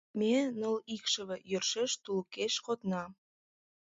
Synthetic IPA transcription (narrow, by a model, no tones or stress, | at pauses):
menə̆likʃə̆βĕjørʃeʃt̪ulkeʃkot̪nɑ